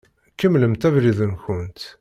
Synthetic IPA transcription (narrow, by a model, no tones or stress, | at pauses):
kəmləmt̪ævɾiðənçʊnt̪